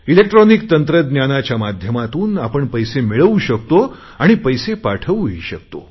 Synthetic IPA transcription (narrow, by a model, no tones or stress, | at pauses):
ilek̚ʈɾɔnikt̪ənt̪ɾəd̪njanat͡ɕjamad̪ʱjəmat̪uːnapəɳpəjsemeɭəʋuɕəkt̪o | aɽ̃ipəjsepaʈʰəʋujiɕək̚t̪o̰